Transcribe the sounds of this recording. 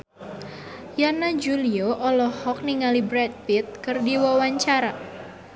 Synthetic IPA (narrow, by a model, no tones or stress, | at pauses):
janad͡ʒulioʔɔlɔhɔk̚niŋalibɾɛd̚fit̪̚kɨrdiwawaɲt͡ʃaɾa